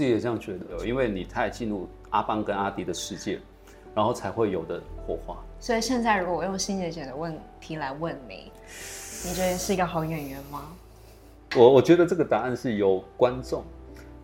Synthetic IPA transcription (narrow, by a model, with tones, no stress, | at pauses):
i˨jɛ˨˩˥jɑ˥˩ŋt͡ɕɥɛ˧˥d̪ə˧˨i˦˥nwe˥˩ɪni˨˩t̪ʰa˥˧ɪt͡ɕi˥˧nɻu˥˩ | a˥pa˥ŋkə˦˥na˥t̪i˧˥d̪ə˨ʂɻ̩˥˧t͡ɕjɛ̰˥˩ | ɻa˧˥nxo˥˩ʊt͡sʰa˧˥ɪxwe˥˩ɪjo˨˩ʊd̪ə˦xwɔ˥˧xwa̰˥˩swɔ˧˥i˨˩ɕjɛ˥˧nt͡sa˥˩ɪɻu˧˥kwɔ˧˩wɔ˩jʊ˥˩ŋɕi˥njɛ˧˥t͡ɕjɛ˨˩nd̪ə˦wə˥˩nt̪ʰi˧˥la˧˥ɪwə˥˩nmḭ˨˦ŋ | ni˨˩t͡ɕɥɛ˧˥ə˧ʂɻ̩˥˩i˧˥ɡə˧xɑ˧˥ʊjɛ˨˩nɥɛ˧˥nma˧ | wɔ˨˩wɔ˨˩t͡ɕɥɛ˧˥d̪ə˧ʈ͡ʂɤ˥˩ɡə˨˩t̪a˨˩a˥˧nʂɻ̩˥˩jo˨˩ʊkwa˦nʈ͡ʂʊ˥˨˩ŋ